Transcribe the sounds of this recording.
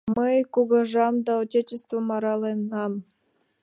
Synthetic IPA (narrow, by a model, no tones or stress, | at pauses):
məjkuɣəʒɑmd̪ɑotʲet͡ɕest̪vomɑɾɑlenːɑm